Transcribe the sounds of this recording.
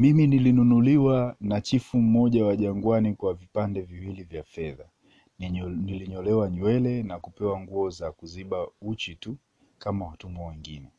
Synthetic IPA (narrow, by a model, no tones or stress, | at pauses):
miminilinunuliwanat͡ʃifum̩mɔʄawaʄaŋɡwanikwavipandɛviwilivjafɛða | niliɲɔlɛwaɲɛlɛnakupɛwaŋɡuɔzakuziɓaut͡ʃitu | kamawatumbawɛŋɡinɛ